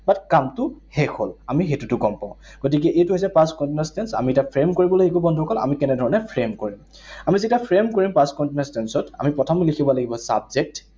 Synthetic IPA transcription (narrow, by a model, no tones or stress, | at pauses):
batkamtʊhekʰolamixetutʊɡɔmpãʊ̃ | ɡ̥ot̬ik̬ɛʔejtuɦojsɛpaskɔntinɔstensa̰mietapʰɹemkoɹibɔlojekubɔndʱukɔla̰mikɛnɛdʱɔɹɔnɛpʰɹemkoɹim | amizitapʰɹemkoɹimpaskɔntinɔstɛnsɔta̰mipɹɔtʰɔmlikʰibɔlaɡibɔsa̰bzek̚t